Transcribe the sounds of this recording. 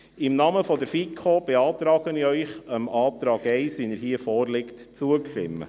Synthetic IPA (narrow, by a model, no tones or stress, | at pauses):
ɪmnɑːməfɔd̪əɾfikʰob̥eɑːt̪ɾɑːɡ̥ənɪœʏχəmɑːt̪ɾɑːɡɛɪsʋinəɾɦiːəfɔːrlɪktt͡suəkʃɪ̰mːə̰